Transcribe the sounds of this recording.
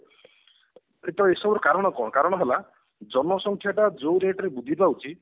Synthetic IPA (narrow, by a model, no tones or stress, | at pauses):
et̪ɔesɔbɔɾɔkaɾɔɽ̃ɔkɔ̰̃kaɾɔɽ̃ɔɦela | d͡ʒɔnmɔsɔŋkʰjaʈad͡ʒowɾeʈɔɾebud̪ʱit̪baut͡ʃʰi